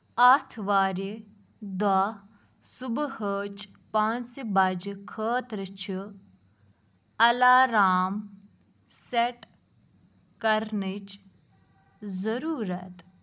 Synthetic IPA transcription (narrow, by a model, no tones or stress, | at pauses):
aːt̪ʰʋaːɾi | d̪wa | subhəːt͡ʃ | paːnt͡sibad͡ʒikʰəːt̪ɾɨt͡ʃʰi | ɐlaːɾaːm | seʈ | kɐɾnit͡ʃ | zɐɾuːɾɐt̪